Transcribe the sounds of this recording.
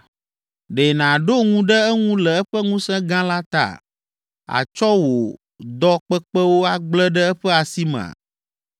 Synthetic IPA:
ɖe˨nã˨ɖo˦ŋũ˦ɖɛ˦ɛ˦ŋũ˦lɛ˨ɛ˦ɸɛ˦ŋũ˦sɛ̃˦ɡã˦la˦t̪a̰˨ | a̰˨t͡ʃɔ˦wo˨ | d̪ɔ˦k͡pɛ˦k͡pɛ˦wo˦a˦ɡ͡blɛ˦ɖɛ˦ɛ˦ɸɛ˦a˨si˦mɛ̰̃˨a̰˨

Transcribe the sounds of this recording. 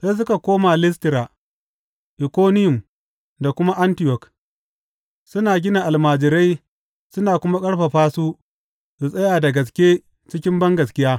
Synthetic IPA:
se˦s̬ʊ˦ka˨kʷoː˦maː˨lɪ˦s̬tɪ˨ɾa˨ | ʔɪ˨kʷoː˦nɪ˦jʊ˨m | da˨kʷʊ˦ma˦ʔa˦ntɪ˨jɔ˨k | sʊ˦naː˨ɡʲɪ˦na˨ʔa˨lmaː˨d͡ʒɪ˨ɾa˦j | sʊ˦naː˨kʷʊ˦ma˦kʼɐ˦ɽɸa˨ɸaː˦su˦ | su˨sʼɐ˦jaː˨da˨ɡɐ˨s̬kʲe˦ | t͡ʃɪ˦kʲɪ˦mbɐ˦ŋɡɐ˨skʲɪ˦jaː˦

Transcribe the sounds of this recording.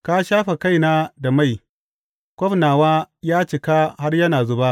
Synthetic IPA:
ka˦ʃaː˦ɸa˨ka˦jna˦da˨ma˦˨j | kʷɔ˦ɸnaː˨waː˦jaː˦t͡ʃɪ˨ka˦ha˦rjɐ˦naː˨zʊ˦ba˦

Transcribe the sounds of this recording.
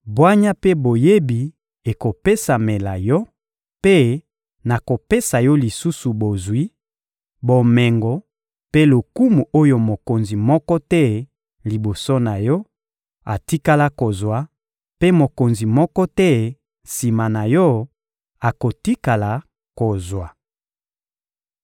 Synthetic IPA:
bwa˦ɲa˦pe˦bo˨je˦bi˨ | e˨ko˨pe˦sa˨me˨la˨jɔ˦ | pe˦ | na˨ko˨pe˦sa˨jɔ˦li˨su˦su˨bo˨zwi˦ | bo˨mɛ˨ŋɡɔ˨ | pe˦lo˨ku˦mu˨ʔo˦jo˦˨mo˨ko˨nzi˨mɔ˦kɔ˦tɛ˦ | li˨bo˨so˦na˨jɔ˦ | a˨ti˦ka˦la˦ko˨zwa˨ | pe˦mo˨ko˨nzi˨mɔ˦kɔ˦tɛ˦ | si˨ma˨na˨jɔ˦ | a˨ko˨ti˦ka˨la˨ | ko˨zwa˨

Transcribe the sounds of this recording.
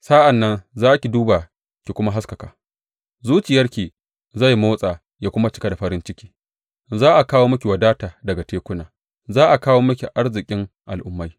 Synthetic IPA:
sa˦ʔa˨nːɐ˦nzaː˦kʲi˨duː˦ba˨ | kʲi˨kʷʊ˦ma˦ɦa˦skɐ˨ka̰ː˨ | zuː˦t͡ʃɪ˨jɐ˦rkʲiː˨ | za˦˨jmoː˦sʼaː˨ | jaː˦kʷʊ˦ma˦t͡ʃɪ˦ka˦da˨ɸɐ˨ɾɪ˦nt͡ʃɪ˦kʲi̥ː˦ | zaː˦ʔa˨kaː˦woː˦mɐ˦kʲi˨wɐ˨daː˦taː˨dɐ˨ɡa˨teː˦kʷʊ˦naː˨ | zaː˦ʔa˨kaː˦woː˦mɐ˦kʲi˨ʔa˦ɽzɪ˨kʲʼɪ˦ŋʔa̰˨lʔʊ˦mːa˦j

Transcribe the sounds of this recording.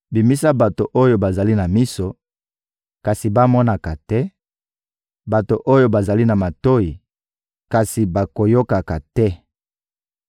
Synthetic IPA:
bi˨mi˦sa˦ba˨to˨ʔo˦jo˦ba˨za˨li˦na˨mi˦so˨ | ka˨si˨ba˦mɔ˦na˨ka˨tɛ˦ | ba˨to˨ʔo˦jo˦ba˨za˨li˦na˨ma˨to˦ji˨ | ka˨si˨ba˨ko˨jo˦ka˨ka˨tɛ˦

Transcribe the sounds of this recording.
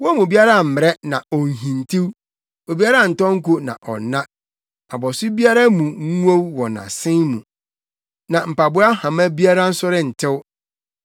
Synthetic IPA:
wɔ˦mũ˨o˨bi˦a˦ɾa˦˨m̩˨mɪ˨ɾɛ˦nã˨ɔ˨ŋ˨ɦĩ˨ntʰi˦w | o˨bi˦a˦ɾa˦˨n̩˨tɔ̃˦ŋ̩˦ku˦nã̰˨ʔɔ̰˨nã˦ | a˨bɔ˨sʊ˦bi˦a˦ɾa˦mũ˨ŋ˦u˦o˦wwɔ˨nã̰˨sɪ̃˦mũ˨ | nã˨m̩˨pa˨bʊ˦a˦hã˨mã˦bi˦a˦ɾa˦n̩˦sʊ˦ɾɪ˦n̩˨tʰɪ˦w

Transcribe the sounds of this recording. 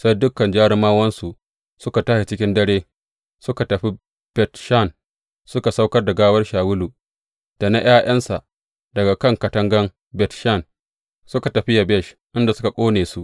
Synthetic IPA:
sa˦jdʊ˦kːɐ˨nd͡ʒaː˦ɽɪ˦maː˦wɐ˦nsu˨ʔ | sʊ˦ka˨taː˦ʃe˨t͡ʃɪ˦kʲɪ˦ndɐ˦ɽeː˦ | sʊ˦ka˨tɐ˨ɸi˦ | b̥ɛ˨tʃa˦˨n | sʊ˦ka˨sa˦wkɐ˦rda˨ɡaː˦wɐ˦rʃaː˨wʊ˦luː˨ | d̥a˨na˦j̰aː˦j̰ɐ˦nsa˨ʔ | dɐ˨ɡa˨kɐ˦ŋkɐ˨tɐ˦ŋɡɐ˦m | bɛ˨tʃa˦˨n | sʊ˦ka˨tɐ˨ɸɪ˦ja˨bɛ˦˨ʃ | ʔɪ˦nda˨sʊ˦ka˨kʷʼoː˦neː˨su˦ʔ

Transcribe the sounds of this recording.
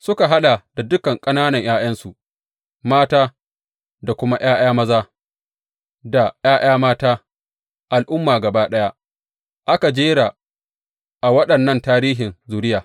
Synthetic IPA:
sʊ˦ka˨ɦa˦ɗa˨d̥a˨dʊ˦kɐ˨ŋkʼɐ˦naː˦nɐ˨ɲjaː˦j̰ɐ˦nsu˨ʔ | maː˦taː˦ | da˨kʷʊ˦ma˦j̰aː˦j̰aː˦mɐ˦zaː˦ | da˨j̰aː˦j̰ʔaː˦maː˦taː˦ | ʔa˨lʔʊ˦mːaː˨ɡɐ˨baː˦ɗɐ˦ja˦ | ʔa˦ka˨d͡ʒeː˦ɽa˨ | ʔa˨wɐ˦ɗɐ˨nːɐ˦˨ntaː˦ɾiː˦ɦɪ˨nzuː˨ɾɪ˦jaː˨

